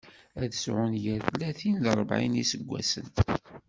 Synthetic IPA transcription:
æðəsʕʊnjæθlːæθinləɾˤbʕḭnisəɡʷːæ̰sə̰n

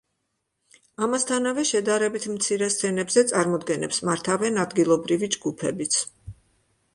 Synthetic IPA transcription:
amast̪ʰanavɛʃɛd̪aɾɛbit̪ʰmt̪sʰiɾɛst̪sʰɛnɛbzɛt̪sʼaɾmɔd̪ɡɛnɛ̰psmaɾt̪ʰavɛnad̪ɡilˠɔbɾivid͡ʒɡupʰɛ̰bit̪sʰ

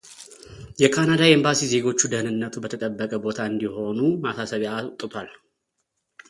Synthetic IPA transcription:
jɛkʰanad̪ajembasize̞ɡo̞t͡ʃːud̪əhnɨnːət̪ʰubət̪ʰət̪ʼəbːəkʼəbo̞t̪ʰaɨnd̪iho̞numasasəβjat̪ʼːɨt̪ʰwal

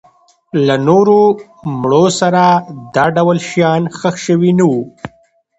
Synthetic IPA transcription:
lanoɾo | mɽosaɾad̪ɑɖawlʃjɑnxəxʃəwinawu

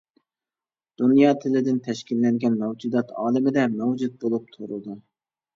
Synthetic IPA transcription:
d̪̥unjɑːt̪ʰɪlɪd̪ɪnt̪ʰɛʃkʲilːɛŋɡʲɛnmɛwd͡ʒud̪ɑt̪ʰɑ̰ːlˠɪmɪd̪ɛmɛwd͡ʒud̪̚bolˠup̚t̪ʰuɾud̪u

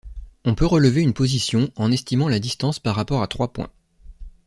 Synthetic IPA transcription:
ɔ̃pøʁələveynpozisjɔ̃ɑ̃nɛst̪imɑ̃lad̪ist̪ɑ̃spaʁːapɔʁat̪χwapwɛ̰̃

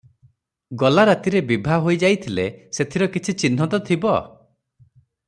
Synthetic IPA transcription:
ɡɔlaɾat̪iɾebibʱaɦojd͡ʒajt̪ʰileset̪ʰiɾɔkit͡ʃʰit͡ʃin̤ːɔt̪ɔt̪ʰibɔ

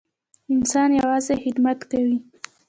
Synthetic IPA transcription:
ɪnsɑnjawɑzexɪd̪mat̪kawi

